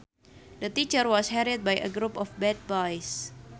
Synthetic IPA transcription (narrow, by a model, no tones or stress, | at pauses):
dət̪it͡ʃərwɔshɛɾit̪̚bajə̰ɡɾupɔfbɛd̚bɔjs